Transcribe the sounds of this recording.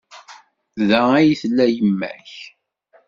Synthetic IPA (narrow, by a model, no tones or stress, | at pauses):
ðææjiθlːæjəmːæ̰ç